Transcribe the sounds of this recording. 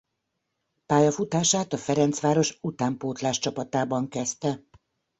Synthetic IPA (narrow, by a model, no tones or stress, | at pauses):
paːjɒfut̪aːʃaːt̪ɒfɛɾɛnt̪sʋaːɾo̞ʃut̪aːmpoːt̪laːʃt͡ʃɒpɒt̪aːbɒŋkɛst̪ɛ